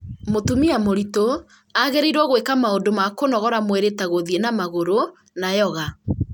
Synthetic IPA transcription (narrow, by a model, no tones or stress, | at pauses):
motumiamoɾito | aɣeɾeɾwɔɣwekamaondomakonɔɣɔɾamweɾetaɣoðienamaɣoɾo | najɔɣa